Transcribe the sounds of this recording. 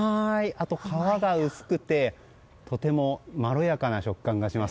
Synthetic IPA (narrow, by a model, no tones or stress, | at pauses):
aiʔat̪o̞kʰaβaɡaɯ̟sɨ̥kɯ̟t̪e̞ | t̪o̞t̪e̞mo̞maɾo̞jakanaɕo̞kkːãŋɡaɕimas